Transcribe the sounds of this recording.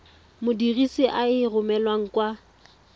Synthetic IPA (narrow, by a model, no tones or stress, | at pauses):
mʊdirisɪʔaɪrʊmɛlwaŋ̩kwa